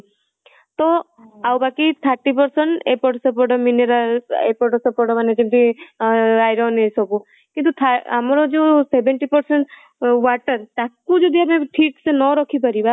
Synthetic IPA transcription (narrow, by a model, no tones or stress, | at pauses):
t̪ɔ | awbakit̪ʰaɾʈːipɔɾsɔɳʈepɔʈɔsɔp̬ɔɾʈɔmineɾalḛpɔɾʈɔsɔpɔɾʈɔmaned͡ʒimt̪i | ajɾɔnesɔku | kint̪ut̪ʰaamɔɾɔd͡ʒesebeɳʈipɔɾseɳʈ | waʈəɾt̪akud͡ʒɔd̪iameʈʰiʈsenɔɾɔkʰip̬ɔɾiba